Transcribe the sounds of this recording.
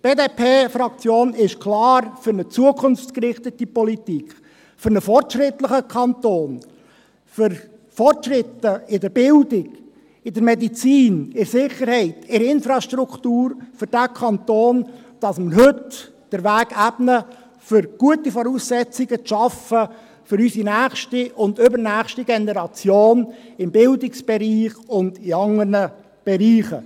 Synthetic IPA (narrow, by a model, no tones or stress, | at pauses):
b̥eːdeːpʰeːfɾɑkt͡sjoːnɪʃkʰlɑːɾfʏɾnət͡suəkʰʊnft͡skəɾɪχt̪ətipɔlitikʰχ | fʏɾnəfɔrtʃɾɪtləχəkʰɑnt̪oːn | fʏɾ | fɔrtʃrɪt̪ːəɪdəɾbɪldɪɡ̥ | ɪd̥əɾmɛdit͡siːnɪɾsɪχəɾhɛɪtɪɾɪnfɾɑʃtɾukʰtuːɾfʏɾd̥ækʰɑnt̪oːn | d̥ɑsməɾhɵt | d̥əɾvæːɡ̥æb̥nə | fʏɾɡ̥uətifɔɾuːsːɛt͡sɪɡ̥ət͡sʃɑfə | fʏɾysinæːχʃtiʔʊndʏbəɾnæːχʃtiɡ̥ɛnɛɾɑt͡sjoːnɪmbɪldɪksb̥ɛɾiːχʊndɪɑŋəɾnə | b̥ɛɾiːχə